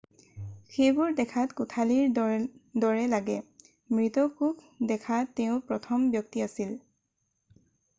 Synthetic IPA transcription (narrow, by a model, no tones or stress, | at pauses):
xejbʊɹdɛkʰatkʊtʰaliɹdɔɹɛlaɡɛ | mɹitɔkuk | dɛkʰatːeʊ̃pɹɔtʰɔmbjɔk̚tiasil